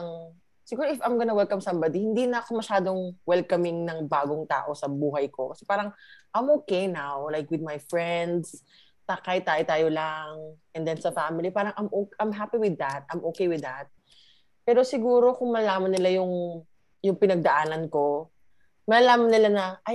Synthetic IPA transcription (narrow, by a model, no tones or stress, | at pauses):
ŋ | sɪɡuːɾoɪfɐjmɡɐnɐwɛlkɐmsɐmbɐd̪ihɪnd̪inɐʔɐkomɐʃaːd̪o̞ŋwɛlkɐmɪŋnɐŋbaːɡoŋt̪a̰ːʔo̞sɐbuːɦɐjko̞kɐsɛpaːɾɐŋʔɐjmʔoːkɛjnawlajkwɪd̪̚majfɹɛnd̪s | t̪ɐkajt̪aːjot̪aːjolaŋʔɛnd̪ɛnsɐfamɪlipaːɾɐŋʔɐmʔokʔɐmɦapiwɪd̪ːɐt̪̚ʔɐjmʔoːkejwɪd̪ɐt̪̚ | pɛːɾo̞sɪɡuːɾo̞kʊŋmɐɐlaːmɐnːɪlajʊŋ | jʊŋpɪnɐɡ̚d̪ɐʔaːnɐnko̞ | mɐɐlaːmɐnɪlanɐʔaj